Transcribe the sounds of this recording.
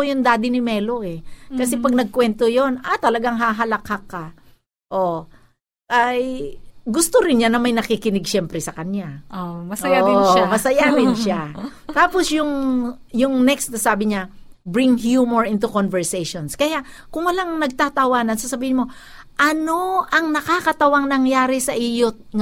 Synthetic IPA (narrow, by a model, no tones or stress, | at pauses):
jʊnd̪aːd̪ɪnɪmɛːlo̞ʔɛkɐsɛpɐɡ̚nɐɡ̚kwɛnt̪ojonat̪ɐlɐɡaŋɦaɦɐlɐkhakːa | ʔo | ʔajɡʊst̪oɾɪnɲanɐmɐjnɐkikɪnɪɡʃɛmpɾɛsɐkɐnjaomɐsɐjaɪmɐsɐjad̪ɪnʃat̪aːposjʊŋ | jʊŋnɛkst̪nɐsaːbɪɲabɹɪŋhjumoɹɪnt̪ʊkonvɛɹsɛjʃonskɐjaʔkʊŋwɐlaŋnɐɡ̚t̪at̪ɐwaːnɐnsɐsɐbiːhɪnmo̞ | ʔɐno̞ʔɐŋnɐkakɐt̪ɐwaŋnɐŋjaːɾɪsɐʔijot̪̚ŋ